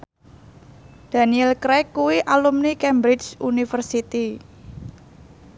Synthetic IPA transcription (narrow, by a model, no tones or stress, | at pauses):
d̪̥a̤niɛlkɾɛkːuwiʔalumnikɛmbɾɪt͡ʃunifərsit̪i